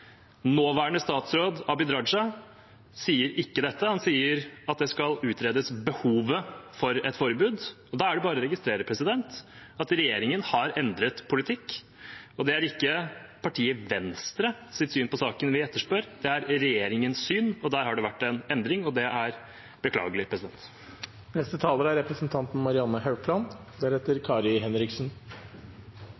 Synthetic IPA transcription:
noːʋæːəɳəst̪ɑːt̪sɾoːd̪ɑbɪd̪ɾɑʂɑ | siːəɾɪkːəd̪ɛt̪ːəhɑnsiːəɾɑt̪̚d̪ɛskɑlʉːt̪ɾeːd̪əsbəhuːʋəfɔɾɛt̪fɔɾəbʉːd̪ɔd̪ɑːæɖɛbɑːɾəɾɛɡɪst̪ɾeːɾəpʰɾɛsɪd̪ɛnt̪ɑt̪ɾɛjeːɾɪŋənhɑɾɛnd̪ɾət̪pʰʊlɪt̪ʰɪkː | ɔd̪ɛæɾɪkːəpʰɑʈʰiːəʋɛnst̪ɾəsɪt̪syːnpɔsɑːkənʋɪɛt̪ːəʂpøːɾd̪̥ɛæɾɾɛjeːɾɪŋənsːyːnɔd̪æːɾhɑɖɛʋæʈːɛnɛnd̪ɾɪŋɔd̪ɛʔæɾ | b̥əkʰlɑ̰ːɡəlɪpʰɾɛsɪd̪ɛ̰nt̪ | nɛst̪ət̪ʰɑːləɾæɾɛpɾəsnt̪ʰɑnt̪n̩mɑɾɪɑnəhɑʉpʰlɑnd̪æɾheːt̪əɾkʰɑːɾɪɦɛnɾɪksn

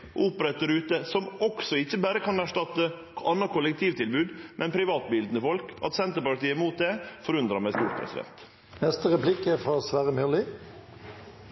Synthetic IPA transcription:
ʔuːpəɾɛt̪̚d̪æɾʉːt̪əsɔmɔksɔɪçːəbæːɾəkʰɑnæʂʈɑt̪ːə | ɑnːəkʰʊlːɛkt̪ʰiːʋt̪ʰɪlbʉːd̪mʔɛnpʰɾɪʋɑːt̪bɪld̪n̩əfɔlkɑ̰t̪sɛnt̪əɾpɑɾʈ̪iːəmuːt̪̚d̪ɛfɔɾʉnd̪ɾɑmæɪst̪uːɾpʰɾɛ̰sɪ̰d̪ɛ̰nt̪ | nɛst̪əʁɛpʰlɪkəfʁɑːsʋæːʁəmʏlɪ

